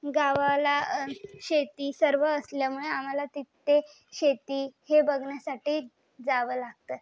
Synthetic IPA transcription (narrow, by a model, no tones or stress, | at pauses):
ɡaʋalaɕet̪iːsəɾʋəəsljamuɭeam̤alat̪it̪ːe | ɕet̪iːhebəɡʱɳjasaʈiː | d͡zaʋəːlaɡ̚t̪ə